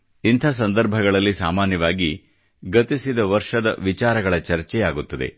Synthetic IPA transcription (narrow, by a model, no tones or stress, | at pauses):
int̪ʰɐs̬ɐnd̪ɐɾbʱɐɡɐɭɐlːisaːmaːnjɐʋaːɡi | ɡɐt̪isid̪ɐʋɐɾʂɐd̪ɐ̰ʋit͡ʃaːɾɐɡɐɭɐt͡ʃɐɾt͡ʃɛjaːɡut̪ːɐd̪ḛ